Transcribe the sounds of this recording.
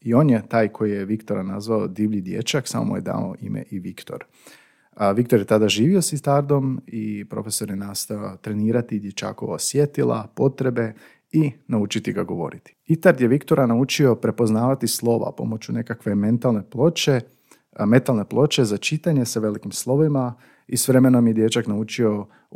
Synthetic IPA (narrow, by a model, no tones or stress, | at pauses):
io̞ːnjet̪aːjkʰo̞jije̞ʋikt̪o̞ɾanazʋaod̪iːʋʎid̪je̞̰t͡ʃaksa̰mo̰mṵj̰d̪a̰ːno̰ʔimḛʔiʋikt̪o̞̰ɾ | ʋik̚t̪oɾje̞t̪ad̪aʒiːʋio̞sit̪aɾd̪o̞mipɾo̞̰feso̞ɾjenaːst̪aot̪ɾe̞niːɾat̪id̪je̞t͡ʃa̰ːko̞ʋaosje̞t̪ilˠʔa̰po̞t̪ɾe̞be̞ | inaut͡ʃit̪iɡaɡo̞ʋo̞̰ɾit̪i̥it̪aɾd̪jeʋikt̪o̞ɾanaut͡ʃio̞pɾe̞po̞znaːʋat̪islˠo̞ʋa̰po̞̰mo̞t͡ɕune̞kakʋe̞me̞nt̪alˠne̞plo̞t͡ʃe | me̞t̪alne̞plˠo̞t͡ʃe̞zat͡ʃit̪aɲe̞saʋe̞likimslˠo̞ʋima | isʋɾe̞menomjed̪je̞t͡ʃaknaut͡ʃio̞